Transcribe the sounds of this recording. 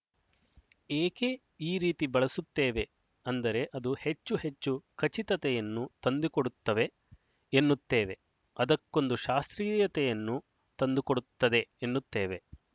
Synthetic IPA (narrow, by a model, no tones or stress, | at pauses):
eːke | iːɾiːt̪ibɐɭɐsut̪ːeːʋe | ɐnd̪ɐɾe̞ʔɐd̪uhe̞t͡ʃːuhet͡ʃːukʰɐt͡ʃit̪ɐt̪ɛjɐnːut̪ɐnd̪ukoɽut̪ːɐʋe̞ː | nːut̪ːeːʋe̞ | ɐd̪ɐkːo̞nd̪uʃaːst̪ɾiːjɐt̪ɛjɐnːu | t̪ɐnd̪ukoɽut̪ːɐd̪e̞enːut̪ːeːʋe̞